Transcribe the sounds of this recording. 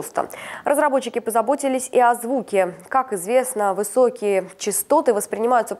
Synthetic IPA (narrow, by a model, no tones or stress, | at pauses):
st̪ə̰rʔəzɾɐbo̞t͡ɕːɪkʲɪpəzɐbo̞tʲɪlʲɪsʲiɐzvukʲɪkakɪzvʲe̞snəvɨso̞kʲɪjət͡ɕɪst̪o̞t̪ɨvəspɾʲɪnʲɪmajʊt̪sə